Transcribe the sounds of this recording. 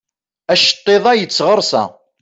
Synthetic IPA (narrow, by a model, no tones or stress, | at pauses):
æʃə̥t̪ˤːeðˤɑjət͡sːʁəɾˤsæ̰